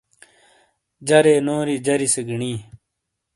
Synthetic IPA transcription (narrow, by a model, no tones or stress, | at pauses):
d͡ʑɐɾeːnoːɾid͡ʑɐɾiseɡəɳiː